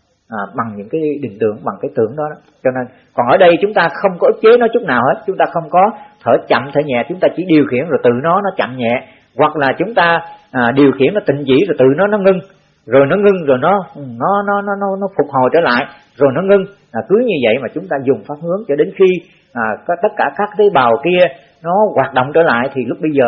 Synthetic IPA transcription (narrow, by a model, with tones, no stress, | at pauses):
ʔaː˨˩ɓa˨˩ŋɲɨ̰˧˥ŋkaː˨˦jɗï˨˩ŋ̟t̪ɨ̰˧˩əŋɓa˨˩ŋkaː˨˦jt̪ɨ̰˧˩əŋɗɔ˨˦ɗɔ˨˦t͡ɕɔ˧ne˧n | kɔ˨˩nʔəː˧˩ɗə˧jt͡ɕʊ˨˦ŋ͡mt̪aː˧xə˧wŋ͡mkɔ˨˦ʔɨ˦˥k̚t͡ɕe˨˦nɔ˨˦t͡ɕʊ˦˥k͡p̚naː˨˩wheː˨˦˥t̚t͡ɕʊ˨˦ŋ͡mt̪aː˧xə˧wŋ͡mkɔ˨˦t̪ʰəː˧˩t͡ɕa̰˧˨mt̪ʰə̰˧˩ɲɛ̰˧˨t͡ɕʊ˨˦ŋ͡mt̪aː˧t͡ɕi˧˩˦ɗi˨˩əwxḭ˧˩ənzo˨˩jt̪ɨ̰˧˨nɔ˨˦nɔ˨˦t͡ɕa̰˧˨mɲɛ̰˧˨ | ɣwa˨˩k̚laː˨˩t͡ɕʊ˨˦ŋ͡mt̪aː˧ʔaː˨˩ɗi˨˩əwxḭ˧˩ənːɔ˨˦t̪ï˧˨ŋ̟t͡ɕḭ˧˩zo˨˩jt̪ɨ̰˧˨nɔ˨˦nɔ˨˦ŋɨ˧ŋ | zo˨˩jnɔ˨˦ŋɨ˧ŋzo˨˩jnɔ˨˦˨nɔ˨˦nɔ˨˦nɔ˨˦nɔ˨˦nɔ˨˦fʊ˨˩k͡p̚ho̰˨˧˨jt͡ɕəː˧˩la̰ː˧˨j | zo˨˩jnɔ˨˦ŋɨ˧ŋ | aː˨˩kɨ˨˦ɲɨ˧və̰˧˨jmaː˨˩t͡ɕʊ˨˦ŋ͡mt̪aː˧zʊ˨˩ŋ͡mfaː˦˥p̚hɨ˨˦əŋt͡ɕɔ˧ɗe˨˦nxiː˧˨˩ | t̪ə˦˥t̚kaː˧˩kaː˦˥kːaː˨˦jɓaː˨˩wki˧ə | nɔ˨˦ɣwaː˨˩t̚ɗə̰˧˨wŋ͡mt͡ɕəː˧˩la̰ː˧˨jt̪ʰi˨˩lʊ˦˥k͡p̚ɓə˧jzəː˨˩